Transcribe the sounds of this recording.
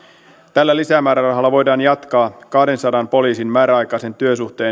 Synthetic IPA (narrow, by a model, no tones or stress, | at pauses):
t̪ælːælisæmæːɾærɑɦɑlːɑʋo̞jdɑːnjɑt̪kɑːkɑhde̞nsɑdɑnpo̞liːsinmæːɾæɑjkɑse̞nt̪yøsuht̪e̞ː